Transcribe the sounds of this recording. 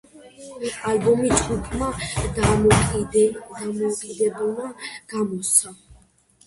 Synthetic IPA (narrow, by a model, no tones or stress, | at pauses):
albɔmit͡ʃʼukʰʼmad̪amɔkʼd̪amɔkʼid̪ɛbɛnaɡ̥amɔsa